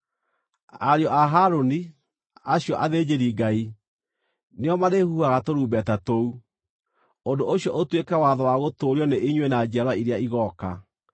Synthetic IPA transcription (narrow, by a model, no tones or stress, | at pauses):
a̰ɾeɔʔaɦaɾoni | aɕiɔʔaðed͡ʑeɾiɡai | neɔmaðehuaɣatoɾuːbɛtatou | ondooɕjɔʔotwekɛwaðɔwaɣotoːɾjɔneʔiɲwenad͡ʑaɾwaiɾeaiɣɔka